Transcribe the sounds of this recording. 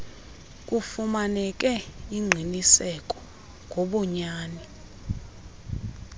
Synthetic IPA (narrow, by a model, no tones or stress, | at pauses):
k̬ʼufumanɛk̬ʼɛiŋ͡ǀʱinisɛkʼɔ̥ | ŋʱoɓɔɲaːni